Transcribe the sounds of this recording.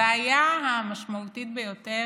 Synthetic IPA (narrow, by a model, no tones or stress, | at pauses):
ajaɦamaʃmaut̪it̪̚bejo̞te